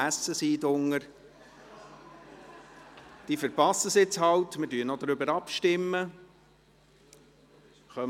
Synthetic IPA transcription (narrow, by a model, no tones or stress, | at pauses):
æsəsiːdʊŋəɾ | d̥iːfəɾpɑsəsɪt͡shɑwtmɪdyːənɔd̪ɾʏbəɾɑpʃtɪmːə | χœm